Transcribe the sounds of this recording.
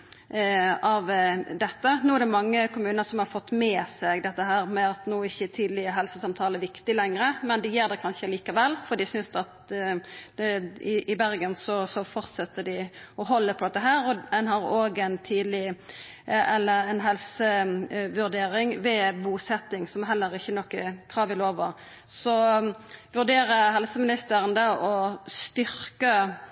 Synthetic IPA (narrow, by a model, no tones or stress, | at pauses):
ɑʋd̪ɛt̪ːənuːæɛɾd̪ɛmɑŋːəkʰʊmʉːnəɾsɔmhɑɾfɔt̪ːmɛːsɛɡd̪ɛt̪ːəɦæːɾmɛɑt̪nuːɪçːət̪ʰiːd̪lɪəɦɛlsəsɑmt̪ʰɑːləʋɪkt̪ɪlɛŋɾəmɛnd̪ɛjeːɾd̪ɛkʰɑnʃəliːkɑʋɛlːfɔd̪ɪsʏnsd̪ɑt̪ | ɛɪɪbæɾɡənsɔsɔfɔɾt̪sɛt̪ːəɖɪɔɦɔlːəpʰɔd̪ɛt̪ːəɦæːɾɔɛnɦɑɾoːɡɛɪnt̪ʰiːd̪lɪ | ɛlːəɾɛnɦɛlsəʋʉʁd̪eːɾɪŋʋɛbuːsɛt̪ːɪŋsɔmɦɛlːəɾɪçːənɔkːəkʰɾɑːʋɪloːʋə | sɔ | ʋʉʁd̪eːɾəɦɛlsəmɪnɪst̪əɾənd̪əʔɔst̪ʏɾkə